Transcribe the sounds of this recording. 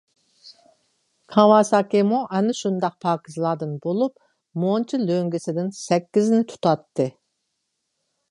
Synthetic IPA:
kʰɑwɑːsɑːkʲemuʔɛnɪʃund̪ɑq̚pʰɑːkʲʰizlˠɑːd̪ɨnbolˠup̚ | mont͡ʃʰiløŋɡʲɪsɪd̪ɪnsɛkʲːiznɪt̪ʰu̥t̪ɑt̪ːɨ

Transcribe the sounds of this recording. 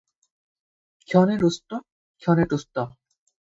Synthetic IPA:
kʰɔneɾust̪ɔ | kʰɔneʈust̪ɔ

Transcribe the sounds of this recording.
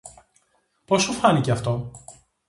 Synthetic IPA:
po̞sufɐniceɐft̪o̞

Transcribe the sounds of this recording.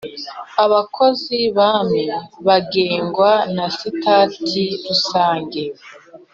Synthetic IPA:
aβakʰo̞ziβaːmeβaɡeːŋɡwanasitaːtʰiɾusaːŋɡe

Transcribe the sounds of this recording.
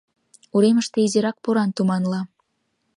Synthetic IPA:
uɾeməʃt̪eizeɾɑk̚puɾɑnt̪umɑnlɑ

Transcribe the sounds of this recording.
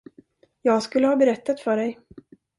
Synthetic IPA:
jɑːɡskɵlːəhɑːbɛɾɛt̪ːat̪fœɖɛj

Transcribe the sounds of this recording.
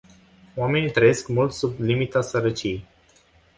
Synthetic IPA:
oame̞nit̪ɾəjeskmult̪sublimit̪asəɾət͡ʃijej

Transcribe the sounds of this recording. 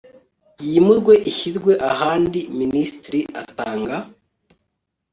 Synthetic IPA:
jimuzɡwe̞ʔiçizɡwe̞ʔaɦaːndiministɾiʔa̰taːŋɡa

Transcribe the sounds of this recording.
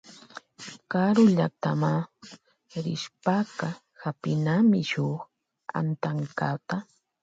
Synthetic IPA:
kaɾʊʎat̪ama | ɾɪʃpakɑ | hapɪnamɪʃʊχ | a̰nt̪aŋkat̪a

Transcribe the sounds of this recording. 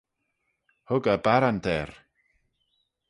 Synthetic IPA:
hʊɡabaɾant̪ʰɛɾ

